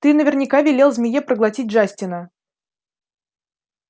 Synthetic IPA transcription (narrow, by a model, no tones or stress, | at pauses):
t̪ɨnəvʲɪrnʲɪkavʲɪlʲelˠzʲmʲɪjepɾəɡlˠɐtʲit̚ʲʐasʲtʲɪnə